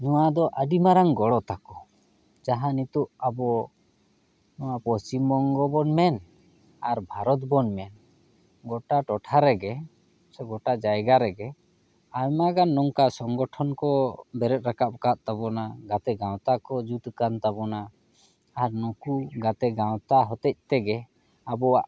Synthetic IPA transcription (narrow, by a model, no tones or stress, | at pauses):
nɔwad̪ɔʔəɖimaɾaŋɡɔɽɔt̪akɔ | d͡ʒaɦanit̪uʔabɔ | nɔwapɔst͡ʃimbɔŋɡɔbɔnmɛn | aɾbʱaɾɔt̪̚bɔnmɛn | ɡɔʈaʈɔʈʰaɾɛɡɛ | sɛɡɔʈad͡ʒajɡaɾɛɡɛ | ajmaɡanːɔŋkasɔŋɡɔʈʰɔnkɔbɛɾɛt̪̚ɾakap̚kaʔ̪̚t̪abɔnaɡat̪ɛɡaw̃t̪akɔd͡ʒut̪kant̪abɔnaː | ɾnɔkuɡat̪ɛɡawt̪aɦɔt̪ɛc̚t̪ɛɡɛ | abɔwaʔ